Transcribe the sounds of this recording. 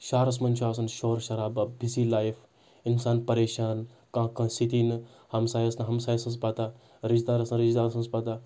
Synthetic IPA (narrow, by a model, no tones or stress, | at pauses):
ʃaːɾɐs̬mɐnt͡ʃʰaːs̬ɐnʃoːɾʃɐɾaːbɐbisiːlaːjif | insaːnpɐɾeːʃaːn | kãːkɐ̃sit̪iːn | hɐmsaːjɐsnɦɐmsaːjsɐns̬pat̪a | ɾid͡ʒd̪aːɾɐsɐnɾid͡ʒd̪aːɾɐsɐnspat̪a